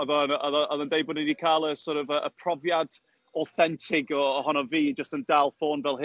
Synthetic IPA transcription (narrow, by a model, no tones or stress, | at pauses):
ɔðɔnɔðɔɔðəndejbʊdnədikʰaːlˠəsɔɾɔvəʔə̰pʰrɔvjad | ɔθɛntʰɪɡɔːhɔnɔviːd͡ʒəstəndalˠfoːnvɛlˠɦ